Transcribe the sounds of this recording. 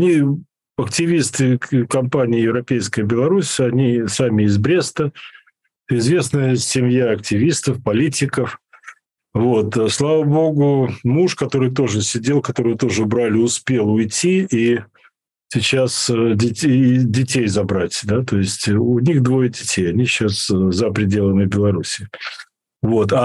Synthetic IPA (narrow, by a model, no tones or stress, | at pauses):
ɐnʲi | ɐktʲɪvʲist̪ɨkɐmpanʲɪːjɪvɾɐpʲejskəjəbʲɪlˠɐɾusʲɐnʲisamʲɪɪzbɾʲe̞st̪ə | ɪzvʲe̞snəjəsʲɪmʲjaɐk̚tʲɪvʲist̪əfpɐlʲitʲɪkəf | vo̞t̪slˠavəbo̞ɡʊmuʂkɐt̪o̞ɾɨjt̪o̞ʐɨsʲɪdʲelˠkɐt̪o̞ɾɨjət̪o̞ʐɨbɾalʲɪʊspʲe̞lˠʊjtʲʰii | sʲɪt͡ɕasdʲɪidʲɪtʲejzɐbɾatʲd̪at̪o̞ɪsʲtʲʊnʲixd̪vo̞jədʲɪtʲʰejɐnʲiɕaszəpɾʲɪdʲe̞lˠənɨbʲɪlˠɐɾusʲɪɪ | vo̞t̪a